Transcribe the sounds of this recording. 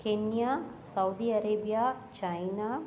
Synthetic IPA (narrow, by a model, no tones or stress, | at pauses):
kenjasɐwd̪iɐɾeːbijaː | t͡ʃɐjna